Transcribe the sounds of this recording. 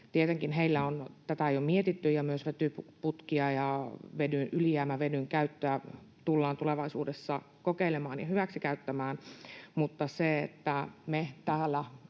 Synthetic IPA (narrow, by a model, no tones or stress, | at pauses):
t̪iet̪eŋkinɦeilːæont̪æt̪æejomiet̪it̪ːyjɑmyøsʋet̪ypput̪kiɑjɑʋedynʔylijæːmæʋenyŋkæyt̪ːøæ | t̪ulːɑːnt̪uleʋɑisuːdesːɑ | kokeilemɑːnjɑhyʋæksikæyt̪ːæmæːnmut̪ːɑseḛt̪ːæmet̪æːlːæ